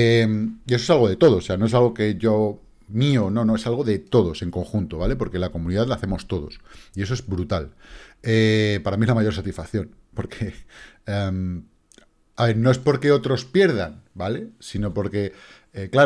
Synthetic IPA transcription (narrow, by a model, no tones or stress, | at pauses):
emiesosalɣo̞ð̞e̞t̪o̞ð̞ose̞ano̞es̬alɣ̞o̞ke̞ʝo | miono̞no̞e̞salɣ̞o̞ðe̞t̪o̞ð̞o̞se̞ŋko̞ŋxunt̪oβale̞po̞ɾkelako̞mũniðaðlaθe̞mo̞st̪o̞ðo̞̰sie̞s̬oe̞zβɾut̪alepaɾamiezlamajo̞ɾsat̪isfakθjo̞n | po̞ɾkʰeem | aβe̞ɾno̞espo̞ɾke̞o̞t̪ɾo̞spje̞ɾð̞anbale̞sino̞po̞ɾke̞ | ekla